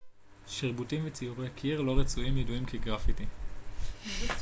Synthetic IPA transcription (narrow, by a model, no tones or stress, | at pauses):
ʃiʁbutimvet͡siuʁekʰiiʁlo̞ʁet͡suimjiduimkʰeɡʁafiti